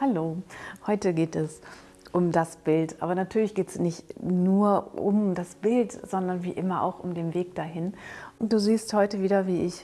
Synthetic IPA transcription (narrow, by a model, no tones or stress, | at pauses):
haloːhɔʏtəɡeːtɛs | ʔʊmdasb̥ɪltʔa̰ːbɐnatʰyːɐlɪçɡ̥eːtsnɪçtnuːɐʔʊ̰mdasb̥ɪltz̥ɔndɐnvḭːʔɪmɐʔa̰ʊxʊmdeːnveːk̚d̥aɦɪnʔʊntd̥uːziːsthɔʏtəviːdɐviːʔɪç